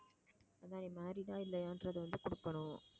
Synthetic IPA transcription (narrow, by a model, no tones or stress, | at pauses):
ɐðãːniːmaːɾit̪ãːɪlːɐjaːndrɐðɯʋɐnd̪ɯkʊɽʊkːɐɳʊ̃